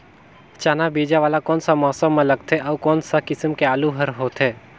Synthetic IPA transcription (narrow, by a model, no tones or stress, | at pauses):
t͡ʃaːnabeːd͡ʒaʋaːlakɔːnsamɔːsəmːẽlɐɡ̚t̪ʰeʔɔːkɔːnsakɪsəmkeaːluɦəɾɦoːt̪ʰɦeː